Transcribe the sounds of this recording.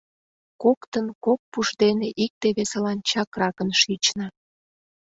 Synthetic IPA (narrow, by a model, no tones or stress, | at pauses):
kokt̪ənkok̚puʃd̪eneʔik̚t̪eβeselɑnt͡ɕɑkrɑkənʃit͡ɕnɑ